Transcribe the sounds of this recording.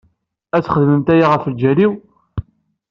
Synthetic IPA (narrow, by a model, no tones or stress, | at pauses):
æt͡sːχəðəməmt̪æjaʁəfəld͡ʒæliw